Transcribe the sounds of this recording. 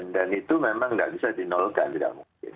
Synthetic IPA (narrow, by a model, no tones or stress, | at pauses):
ndanit̪umemaŋɡa̰ʔbisadinɔlka̰nt̪ida̰ʔmuŋkɪ̰n